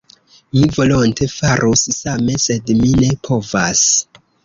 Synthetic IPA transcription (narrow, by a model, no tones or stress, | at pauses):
mivo̞lontʰe̞faɾʔussame̞se̞dmine̞pʰo̞vas